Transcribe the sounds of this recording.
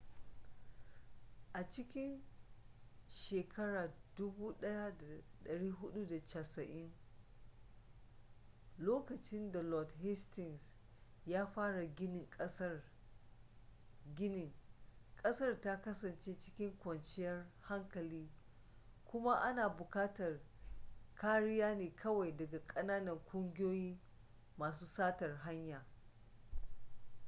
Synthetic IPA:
ʔa˨t͡ʃɪ˦kʲɪ˦n | ʃeː˨kʰɐ˦ɽaː˨dʊ˦buː˦ɗɐ˦ja˦da˨ɗɐ˨ɽiː˦ɦʊ˦ɗu˦da˨t͡ʃa˨sɐ˨ʔɪ˦n | loː˦kɐ˨t͡ʃɪ˦nda˨lɔ˨dɦɪ˦stɪ˨ŋs | jaː˦ɸaː˦ɽa˨ɡʲɪ˦nɪ˨ŋkʼɐ˦s | ɡʲɪ˦nɪ˨ŋkʼɐ˦sɐ˦rta˦kɐ˦sɐ˨nt͡ʃeː˦t͡ʃɪ̥˦kʲɪ˦ŋkʷɐ˨nt͡ʃɪ˦jɐ˦rha˦ŋkɐ˨liː˦ | kʷʊ˦ma˦ʔa˦naː˨bʊ˨kaː˦tɐ˨r | kʰaː˦ɽɪ˦jaː˦neː˨kʰɐ˦wa˨jdɐ˨ɡa˨kʼɐ˦naː˦nɐ˨ŋkʷʼʊ˦ŋɡʲɪ˦joː˦jiː˦ | maː˨s̬uː˦saː˦tɐ˨rɦa˦ɲjaː˨

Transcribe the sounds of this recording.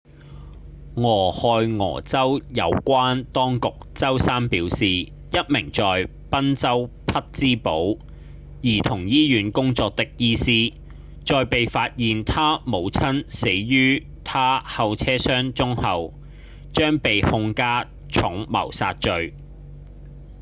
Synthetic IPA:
ŋɔː˨˩hɔː˨jŋɔ̰ː˨˩t͡sɐ˥wjɐ˨˧wkʷaː˥nt̪ɔː˥ŋkʊ˨k̚t͡sɐ˥wsaː˥npiː˨˥wsiː˨˩ | jɐ˥t̚mɪ˨˩ŋt͡sɔː˨j | pɐ˥nt͡sɐ˥w | pʰɐ˥t̚t͡siː˥po˨˥w | jiː˨˩t̪ʰʊ˨˩ŋjiː˥jyː˨˥nkʊ˥ŋt͡sɔː˧k̚t̪ɪ˥k̚jiː˥siː˥ | t͡ʃɔː˨˧jpe˨jfaː˧t̚jiː˨nt̪ʰaː˥mo˨˧wt͡sʰɐ˥nse˨˥jɥyː˥ | t̪ʰaː˥hɐ˨˧wt͡sʰɛː˥sœː˥ŋt͡ʃʊ˥ŋhɐ˨w | t͡ʃœː˥ŋpe˨jhʊ˧ŋkaː˥ | t͡ʃʰʊ˨˥ŋmɐ̰˨˩wsaː˧t̚t͡ʃɵ˨˧ɥ

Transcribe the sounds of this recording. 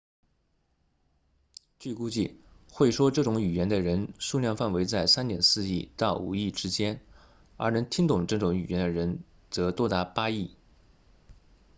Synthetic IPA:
t͡ɕy˥˩ku˥t͡ɕi˥˩ | xwe˥˩ɪʂwɔ˥ʈ͡ʂɤ˥˩ʈ͡ʂʊ˧˥ŋy˨˩jɛ˧˥nd̪ə˧ɻə˧˥nʂu˥˧ljɑ˥˧ŋfa˥˩nwe˧˥ɪt͡sa˥˩ɪsa˥nnjɛ˨˧˥nsɹ̩˥˧i˥˩t̪ɑ˥˩ʊṵ˨˩i˥˩ʈ͡ʂɻ̩˥t͡ɕjɛ˥n | ə̰˞˧˥nə˧˥ŋt̪ʰi˥ŋt̪ʊ˨˩ŋʈ͡ʂɤ˥˩ʈ͡ʂʊ˧˥ŋy˨˩jɛ˧˥nd̪ə˧ɻə˧˥n | t͡sɤ˧˥t̪wɔ˥t̪a˧˥pa˥i˥˩

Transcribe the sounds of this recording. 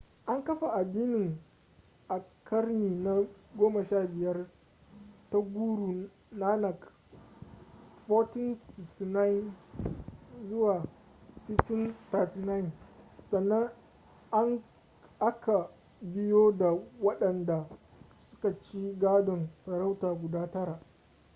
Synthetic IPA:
ʔa˦ŋkɐ˦ɸa˨ʔa˨diː˦nɪ˨ŋ | ʔa˨kʰɐ˦rniː˨na˦ɡʷoː˦mɐ˨ʃaː˦˨bɪ˨jɐ˦r | ta˦ɡʷuː˦ɽuː˨ | naː˦nɐ˨k | ɸɔ˦tɪ˦nsɪ˨sti˨na˦˨n | zʊ˦waː˨ | ɸɪ˦tɪ˦nta˨ti˨na˦ɪ˨nsɐ˨nːɐ˦ŋ | ʔa˦ŋ | ʔa˦kʰa˨ | bɪ˦joː˦da˨wɐ˦ɗɐ˨nda˨ | sʊ̥˦ka˨t͡ʃiː˦ɡaː˦dɔ˨nsɐ˨ɾa˦wtaː˨ɡʷʊ˨daː˦tɐ˦ɾaː˨

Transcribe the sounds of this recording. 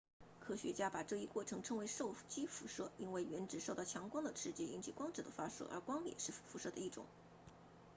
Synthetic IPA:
kʰɤ˥ɕɥɛ˧˥t͡ɕja˥pa˨˩ʈ͡ʂɤ˥˧i˥kwɔ˥˩ʈ͡ʂʰɤ˧˥ŋʈ͡ʂʰɤ˧˥ŋwe˧˥ɪʂo˥˩ʊt͡ɕi˥fu˧˥ʂɤ˥˩i˥nwe˥˩ɪɥɛ˧˥nʈ͡ʂɻ̩˨˩ʂo˥˧ʊt̪ɑ˥˩ʊt͡ɕʰjɑ˧˥ŋkwɑ˥ŋd̪ə˨ʈ͡ʂʰɻ̩˥t͡ɕɛ˥i˥nt͡ɕʰi˨˩kwɑ˥ŋʈ͡ʂ̩˨˩d̪ə˦fa˥ʂɤ̰˥˩ʔə̰˞˧˥kwɑ˥ŋjɛ̰˨˩ʂɻ̩˥˩˥fu˧˥ʂɤ˥˩d̪ə˩i˥˩ʈ͡ʂʊ̰˨˩˦ŋ

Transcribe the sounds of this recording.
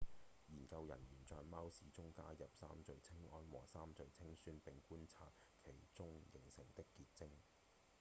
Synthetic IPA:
jiː˨˩nkɐ˧wjɐ̰˨˩njyː˨˩nt͡sɔː˨jmaː˥wsiː˨˥t͡sʊ˥ŋkaː˥jɐ˨p̚sa̰ː˥mt͡sɵ˨˧ɥt͡sʰɪ˥ŋɔː˧˥nwɔ̰ː˨˩saː˥mt͡sɵ˨˧ɥt͡sʰɪ˥ŋsyː˥npɪ˨ŋkuː˥nt͡sʰa̰ː˧t̚ | kʰe˨˩jt͡sʊ˥ŋjɪ˨˩ŋsɪ˨˩ŋt̪ɪ˥kːiː˧t̚t͡sɪ˥ŋ

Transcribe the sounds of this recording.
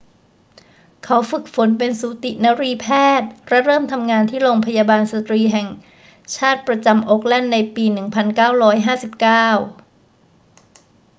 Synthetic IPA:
kʰa˦˥wfɯ˨˩k̚fo˩˦npe˧nsuː˨˦t̪i˨˩na˦˥ɾiː˧pʰɛː˥˩t̪̚ɾɛ˦˥ɾɤː˥˩mt̪ʰa˧mŋaː˧nt̪ʰiː˥˩loː˧ŋpʰa˧jaː˧baː˧nsa˧t̪ɾiː˧ɦɛ˨˩ŋ | t͡ɕʰaː˥˩t̪̚pɾa˧t͡ɕa˧mʔoː˦˥k̚lɛ˥˩nːa˧jpiː˧nɯ˨˩ŋpʰa˧nkaː˥˩wɾɔː˦˥jɦaː˥˩si˨˩p̚kaː˥˩w

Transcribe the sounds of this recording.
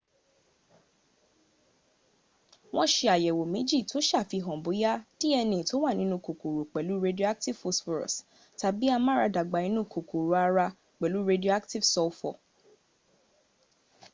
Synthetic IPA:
w̃ɔ̃˧ʃe˧a˨jɛ˨wo˨mĩ˨˦d͡ʒi˦˨to˨˦ʃa˦˨fi˧ɦɔ̃˨bo˨˦ja˦ti˦ɛ˧nĩ˨to˨˦wa˦˨nĩ˨˦nũ˧˦˨ko˨ko˨ɾu˨k͡pɛ˨lu˨˦ɾe˧di˦o˧a˦k̚ti˦˨vfo˧sɔ˧ɾɔ̰˨s | ta˧bi˦a˧mã˦ɾa˧da˨ɡ͡ba˨ĩ˧˦nũ˦˨ko˨ko˨ɾo˨a˧ɾa˧ | k͡pɛ˨lu˨˦ɾe˧di˦o˧a˦kti˦vsɔ˧fɔ˨

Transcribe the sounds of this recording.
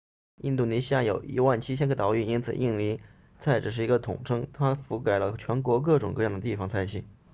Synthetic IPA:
i˥˧nt̪̬u˥˩ni˧˥ɕi˥ja˥˩jo˨˩˦ʊḭ˧˥wa˥˩nt͡ɕʰi˥ɕ̬jɛ˥nkʰɤ˥˩t̪ɑ˧˥ʊy˥˩i˥nt͡sʰɹ̩̰˨˩ʔi˥˩ŋli˧˥ | t͡sʰa˥˩ɪʈ͡ʂɻ̩˨˩ʂɻ̩˥˩i˧˥ɡə˧t̪ʰʊ̰˨˩ŋʈ͡ʂʰɤ˥ŋt̪ʰa˥fu˧˥ka˨˩ɪlə˦t͡ɕʰɥɛ˧˥nkwɔ˧˥k̬ɤ˥˩ʈ͡ʂʊ̰˨˩ŋkɤ˥˧jɑ˥˩ŋd̪ə˩t̪i˥˩fɑ˧˥ŋt͡sʰa˥˧ɪɕi˥˩n

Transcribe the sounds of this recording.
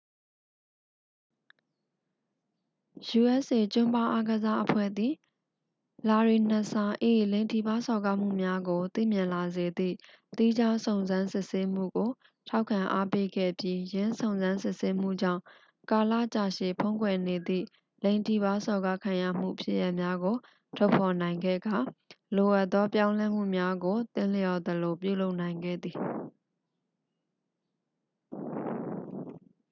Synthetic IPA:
ju˨ʔɛ˦sʔe˨t͡ɕʊ̃˦mpa˦˨ʔa˦ɡəza˦ʔəpʰwɛ̰˦˨d̪ði˨ | la˨ɹi˨n̥ə˨sa˨ʔe˨lẽ˨ɪ̃ntʰi˨ba˦sɔ˨ɡa˦m̥ṵ˦˨mja˦ɡo˨t̪ḭ˦˨mjɪ̃˨la˨ze˨d̪ðḭ˦˨ | t̪i˦d͡ʑa˦sõ˨ʊ̃nzã˦nsɪ˦˨ʔse˦m̥ṵ˦˨ɡo˨ | tʰa˦ʊkʰã˨ʔa˦pe˦ɡɛ̰˦˨pji˦jɪ̃˦nsõ˨ʊ̃nzã˦nsɪ˦˨se˦m̥ṵ˦˨d͡ʑã̰˦˨ | ka˨lä̰˦˨t͡ɕa̰˦˨ʃḛ˦˨pʰõ˦ʊ̃ŋkwɛ˨ne˨d̪ḭ˦˨ | lẽ˨ɪ̃ntʰi˦˨ba˦sɔ˨ɡa˦kʰã˨jä̰˦˨m̥ṵ˦˨pʰjɪ̰˦ʔja˦ʔmja˦ɡo˨ | tʰɔ˦˨pʰɔ˨nã˨ɪ̃ŋɡɛ̰˦˨ɡa˨lo˨ʔa˦˨t̪ðɔ˦pjã˦ʊ̃lɛ˦m̥ṵ˦˨mja˦ɡo˨t̪ɪ̰̃˦˨ljɔ˨d̪ə˨lo˨p̬jṵ˦˨lo˦ʊʔnã˨ɪ̃ŋɡɛ̰˦˨d̪ði˨

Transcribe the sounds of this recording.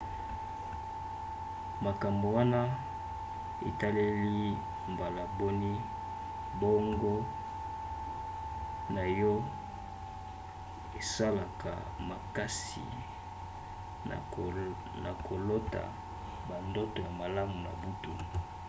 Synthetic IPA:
ma˨ka˨mbo˨wa˦na˦ | e˨ta˦le˦li˦ | mba˨la˨bo˦ni˦ | bo˦ŋɡo˦ | na˨jɔ˦ | e˨sa˦la˨ka̰˨ | ma˨ka˦sḭ˨ | na˨kʰo˨lo˦ta̰˨ | ba˨ndo˦to˨ja˨ma˨la˦mu˨na̰˨bu˦tu˨

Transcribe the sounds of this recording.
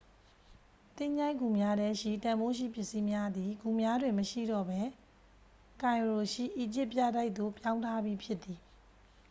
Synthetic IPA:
t̪ɪ̃˦˨ɲa˦ɪʔɡu˨mja˦dɛ˦ʃḭ˦˨tã˨mbo˦ʃ̬ḭ˦˨pjɪ˦ʔsi˦mja˦d̪i˨ɡu˨mja˦dwɪ̃˨məʃḭ˦˨dɔ̰˦˨bɛ˦ | kã˨ɪ̃ɹo˨ʃḭ˦˨ʔi˨d͡ʑɪ˦pːja̰˦˨da˦ɪʔt̪̚t̪o˦˨pjã˦ʊ̃ntʰa˦bji˦pʰjɪ˦t̪ːi˨

